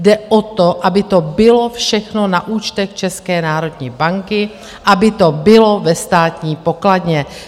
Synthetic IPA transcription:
dɛʔot̪oʔabɪt̪o̞bɪlo̞fʃɛxnonaʔuːt͡ʃt̪ɛxt͡ʃɛskɛːnaːɾo̞dɲiːbaŋkɪ | ʔabɪt̪o̞bɪlo̞vɛst̪aːt̪ɲiːpokladɲɛ

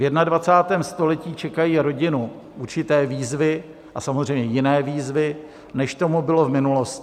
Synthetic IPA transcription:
vjɛdnadvat͡saːt̪ɛːmst̪o̞lɛciːt͡ʃɛkajiːɾo̞ɟɪnu | ʔuɾt͡ʃɪt̪ɛːviːzvɪ | ʔasamozr̝ɛjmɲɛjɪnɛːviːzvɪ | nɛʃt̪o̞mubɪlo̞vmɪnulo̞sc

